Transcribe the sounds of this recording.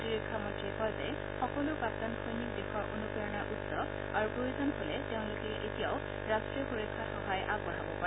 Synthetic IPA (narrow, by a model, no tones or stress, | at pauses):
tiɹikʰːamɔtɹikɔjzɛ | xɔkɔlʊpaktankʰojnik̚dexɔɹʔonukaɹɔnaɹʔutsɔ | aɹukojuzɔnɦolɛteʊ̃lʊkɛʔetijaʊ | ɹastɹiɔxuɹikʰːaxɔɦajʔaɡbɔɹabɔpaɹɛ